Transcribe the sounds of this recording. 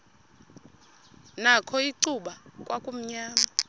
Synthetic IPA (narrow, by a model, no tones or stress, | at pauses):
nakʰɔiǀuɓakʼwakʼum̩ɲaːma